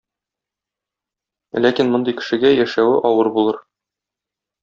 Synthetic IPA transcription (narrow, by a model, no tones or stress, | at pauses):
lækinmŏnd̪ɤjkɘ̥̆ʃɘ̆ɡæjæʃæwɘʔɒwɤɾbulˠɤɾ